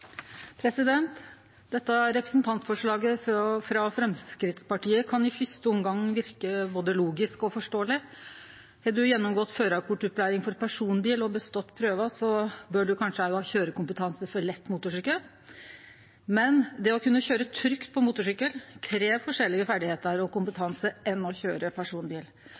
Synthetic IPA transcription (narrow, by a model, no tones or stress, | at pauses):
pʰɾɛsɪd̪ɛnt̪ | d̪ɛt̪ːəɾɛpɾəsnt̪ʰɑnt̪fɔʂɭɑːɡəfɾɑfɾɛmskɾɪt̪spɑʈiːəkʰɑnɪfʏst̪əɔmɡɑŋːʋɪɾkəboːd̪əluːɡɪskɔfɔʂʈoːəlɪ | hɛd̪ʉjɛnːɔmɡɔt̪ːføːɾɑkʰʊʈʉplæːɾɪŋfɔɾpʰæʂuːnbiːlɔbəst̪ɔt̪ːpʰɾøːʋəsɔbøːɖʉkʰɑnʂəæɪɑːçøːɾəkʊmpət̪ʰɑnsəfɔɾɭɛt̪ːmuːt̪ʊʂʏkːəl | mɛnd̪ɛɔkʰʉnːəçøːɾət̪ʰɾʏkt̪̚pʰɔmuːt̪ʊʂʏkːəlkʰɾeːʋfɔʂɛlːɪɡəfæɖɪheːt̪əɾɔkʊmpət̪ʰɑnsəʔɛnːɔçøːɾəpʰæʂuːnbiːl